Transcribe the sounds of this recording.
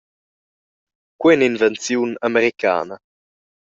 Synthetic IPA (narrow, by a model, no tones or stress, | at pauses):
kwɛninvɛnt͡sjunameɾikʰa̰ːna